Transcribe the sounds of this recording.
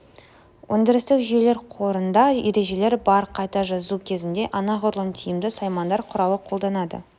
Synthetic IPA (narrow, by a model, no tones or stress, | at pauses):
wʔɵnd̪ʲɪɾɪst̪ɪkʒijele̞ɾqʰoɾənd̪ɑjeɾe̞ʒe̞le̞ɾbɑɾqʰɑjt̪ɑʒɑzukʲʰe̞zɪnd̪e̞ʔɑnɑʁʊɾlˠənt̪ʰijɪmd̪ɪsɑjmɑnd̪ɑɾqʰʊɾɑwəqʰo̞lˠd̪ɑnɑd̪ə̰